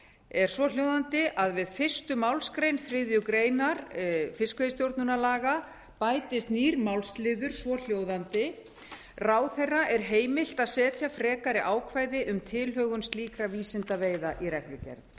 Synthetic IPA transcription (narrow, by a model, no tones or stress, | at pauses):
ɛɾ̥svɔl̥jowðant̪ɪʔaðvɪðfɪr̥st̪ʏmawlskɾejnfɾɪðjʏkɾeːjnaɾ̥fɪskvjɪst̪jowɾt̪nʏnalaːɣa | paːjt̪ɪst̪niːɾmawlst̪lɪðʏɾ̥svɔl̥joːwðant̪ɪ | raːwθɛrːaʔɛɾ̥ɦeːjmɪl̥t̪aðsɛːt̪ʰjafɾɛːkaɾɪʔaːwkʰvajðɪʔʏmt̪ʰɪlɦœɣʏnsliːkɾaviːsɪnt̪aveːjðaʔiɾɛklʏcɛ̰ɾt̪